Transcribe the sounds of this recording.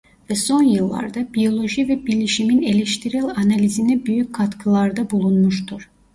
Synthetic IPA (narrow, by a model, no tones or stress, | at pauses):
vɛso̞njɯlˠːa̰ɾd̪abijo̞lˠo̞ʒivɛbilʲiʃimine̞lʲɛʃt̪ʰiɾilʲanalʲizinɛbyjyc̚kʰːat̪kʰɯlˠaɾd̪abulˠunmuʃt̪ʰuɾ̥